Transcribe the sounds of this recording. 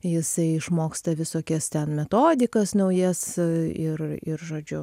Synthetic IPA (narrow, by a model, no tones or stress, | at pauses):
jɪsɐɪɪʃmoːkst̪ɐʋʲɪsoːkʲɛst̪ʲɛnmʲɛt̪oːd̪ʲɪkɐsnɐʊjɛsɪrɪ̰rʒoːd͡ʒʲʊ